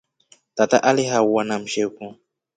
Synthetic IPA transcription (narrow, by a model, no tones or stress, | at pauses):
t̪at̪aʔaliɦawwanam̩ʃewkũ